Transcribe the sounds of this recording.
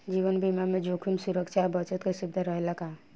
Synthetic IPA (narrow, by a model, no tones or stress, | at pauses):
d͡ʒiːʋənbimamẽd͡ʒokʰumsuɾəkʃʰabət͡ʃət̪kesubd̪ʱəɾəɦelaka